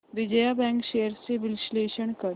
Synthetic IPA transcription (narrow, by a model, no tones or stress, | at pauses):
ɾɪd͡ʒəjabɛ̃ːŋkʃeːəɾseʋɪlʃleːʃəɳ̃kɐɾ